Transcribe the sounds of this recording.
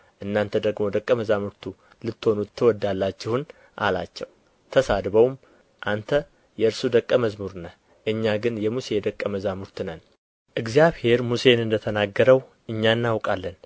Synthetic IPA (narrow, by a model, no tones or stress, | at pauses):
ʔɨnːant̪ʰəd̪əɡmo̞d̪əkʼːəməzamuɾt̪ʰu | lɨt̪ːho̞nuːɨwɔd̪ːalːat͡ʃːɪhʊn | ʔa̰la̰t͡ʃːɛw | t̪ʰəsad̪βəwm | ʔant̪ʰə | jɛɨɾsud̪əkʼːəməzmuɾnə | ʔɨɲːaɡɨnjɛmuse̞d̪əkʼːəməzamuɾt̪ʰɨnən | ʔɨɡzjaβhe̞ɾmuse̞nɨnd̪ət̪ʰənaɡːəɾəw | ʔɨɲːanːawkʼalːən